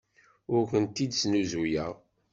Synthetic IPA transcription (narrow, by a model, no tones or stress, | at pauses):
ʊɾkʷənt̪id̪snuzujæ̰ʁ